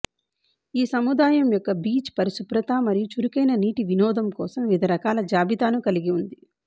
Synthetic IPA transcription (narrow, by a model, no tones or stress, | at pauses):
iːsɐmud̪aːjɐmjɔkːɐbiːt͡ʃpɐɾisupɾɐt̪aːmɐɾijut͡ʃuɾukɐjnɐniːʈiʋinɔːd̪ɐmkɔːsɐmʋid̪ʱɐɾɐkaːlɐd͡ʒaːbit̪aːnukɐliɡiund̪i